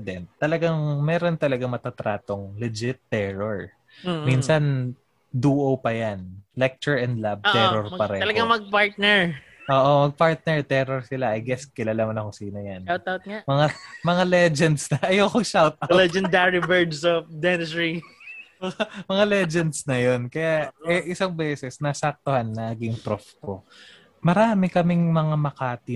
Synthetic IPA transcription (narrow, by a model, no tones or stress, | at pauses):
d̪ɛnt̪ːɐlɐɡaŋmɛːɾo̞nt̪ɐlɐɡaŋmɐt̪at̪ɾaːt̪oŋlɛd͡ʒɪt̪ːɛɹoɹ | minsɐn | d̪uːʔopɐjanlɛk̚t͡ʃɛɹɛnd̪lab̚t̪ːɛɾoɹpɐɾɛɐlɐɡaŋmɐɡ̚paɹt̪̚nɛɹ | ʔoːʔomɐɡ̚paɹt̪̚nɛɹt̪ɛɾoɹsɪlaʔɐjɡɛskɪlalamɐnɐkosiːnojanaw̪awt̪̚ŋamɐŋamɐŋalɛd͡ʒɛnd̪snɐʔɐjoːkoŋʃawt̪̚allɛd͡ʒɛnd̪aɹibɛɹd̪sofd̪ɛnɪsɹimɐmɐŋalɛd͡ʒɛnd̪snɐjonkɐjaɛʔɪsaŋbɛːsɛsnasɐk̚t̪ohanːɐɐɡɪŋp̪ɾofko | mɐɾaːmɪkɐmɪŋmɐŋamɐkaːt̪ɪ